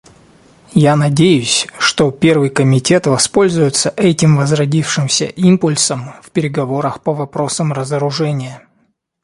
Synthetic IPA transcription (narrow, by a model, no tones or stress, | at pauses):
janɐdʲejʊsʲʂt̪o̞pʲe̞rvɨjkəmʲɪtʲe̞t̪vɐspo̞lʲzʊjɪt̪səʔɛtʲɪmvəzrɐdʲifʂɨmsʲə̰ʔimpʊlʲsəmfpʲɪɾʲɪɡɐvo̞ɾəxpəvɐpɾo̞səmrəzəɾʊʐɛnʲɪjə